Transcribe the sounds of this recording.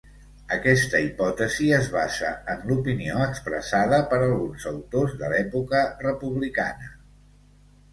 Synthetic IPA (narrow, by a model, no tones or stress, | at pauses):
əkɛst̪əipɔt̪əziəzβazə̰ənlupinioəkspɾə̰saðəpəɾəlˠɣunzəwt̪ozðəlɛpukərəpuβlika̰nə